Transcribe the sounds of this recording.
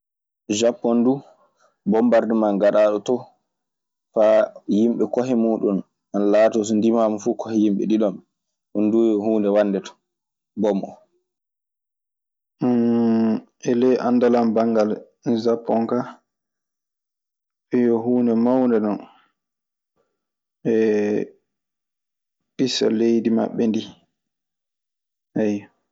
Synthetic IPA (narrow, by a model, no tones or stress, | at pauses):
d͡ʒapːɔndu | bɔmbaɾdimanɡaɗaːɗɔtɔ | fajimɓɛkɔɦɛmuːɗun | analaːtɔs̬ɔndimaːmfukɔhɛjimɓɛ̰ɗiɗɔm | ʔɔndujɔhuːndɛwandɛtɔ̥ | bɔmʔɔ̰ | ʔɛlɛjʔandalambaŋɡal | zapːɔŋka | ʔɛjɔɦuːnɛmawndɛnɔn | ɛ | ɓisa̰lejdima̰ɓːɛndi | ʔaj